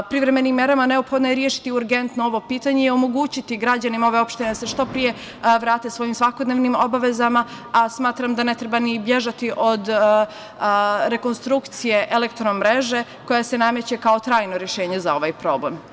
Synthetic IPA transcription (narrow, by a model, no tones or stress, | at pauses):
pɾiʋɾemenimːje̞ɾamane̞o̞pxod̪nojeɾjeːʃi̥t̪iuɾɡe̞nt̪noo̞ʋo̞piːt̪aɲeiomo̞ɡuːt͡ɕit̪iɡɾad͡ʑanimao̞ʋe̞o̞pʃt̪ined̪ase̞ʃt̪o̞pɾije̞ | ʋɾaːt̪esʋo̞jimsʋako̞d̪neʋnimo̞baʋe̞zama | asmaːt̪ɾamd̪ane̞t̪ɾe̞banibje̞ʒat̪iʔo̞d̪ | ɾe̞ko̞nst̪ɾukt̪sije̞ʔelekt̪ɾomɾe̞ʒe̞ | ko̞jase̞namje̞t͡ɕekao̞t̪ɾaːjno̞ɾjeʃe̞ːɲe̞zao̞ʋajpɾo̞ːblem